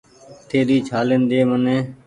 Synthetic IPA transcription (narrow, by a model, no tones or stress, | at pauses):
t̪ʰeːɾiːt͡ʃʰaːlend̪eːmənẽː